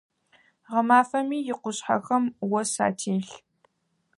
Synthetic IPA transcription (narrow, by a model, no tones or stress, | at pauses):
ʁɐmaːfɐmiːjɪqʷʊɕħa̰xɐmwɐsa̰ːtʰiːɬ